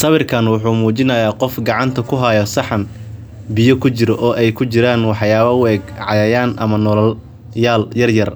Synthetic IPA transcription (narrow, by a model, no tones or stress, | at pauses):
sɐβɪrkʰɐnwʊħuːmuːt͡ʃɪnɐjaːqɔfɡɑʕɑnt̪ʰɐkʰʊɦɐjɔsɑħɐn | bɪjɔkʰʊt͡ʃɪɾɔʔɔːʔɛjkʰʊt͡ʃɪɾaːnwɑħjaːβɐʊɛːɡʕɑ̰jɐːjaːnʔɐmɐnɔlɔl | jaːljɐrjɐr